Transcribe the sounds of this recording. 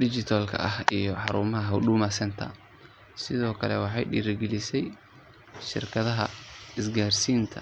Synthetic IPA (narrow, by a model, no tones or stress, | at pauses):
ɖɪt͡ʃɪt̪ʰalkʰɐ̰ʔɐhijɔħɑɾuːmɐɦɐɦɐɖuːmaːsɐnt̪ʰɐ̰ | sɪðɔːkʰɐlɛwɑħɑ̰jɖḭɾɪɡɛlɪsɛj | ʃɪ̰rkʰɐðɐɦɐ̰ɪsɡaːrsiːnt̪ʰɐ